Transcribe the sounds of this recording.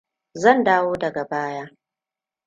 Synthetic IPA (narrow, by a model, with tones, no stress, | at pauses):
zɐ˦˨ndaː˦woː˦dɐ˨ɡa˨baː˦jaː˦